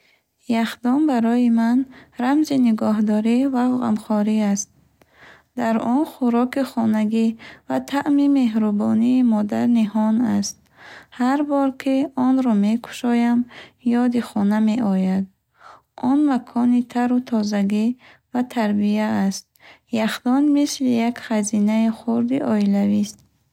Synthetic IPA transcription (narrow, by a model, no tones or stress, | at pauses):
jaχd̪ɔmbaɾɔjimanɾamziniɡɔɦd̪ɔɾivavʁa̰mχɔɾiast̪̚ | d̪aɾɔnχuɾɔkiχɔnaɡivat̪ʰaʔmime̞ɦɾubɔ̰niːmɔd̪aɾnihɔnast̪̚haɾbɔɾkʰiɔnɾɔme̞kʰu̥ʃɔjamjɔd̪iχɔnameɔjad̪̚ | ɔnmakʰɔnit̪ʰaɾut̪ʰɔzaɡi | vat̪ʰaɾbiaːst̪̚ | jaχd̪ɔnmislijakχazinaiχuɾd̪iʔɔilavist̪̚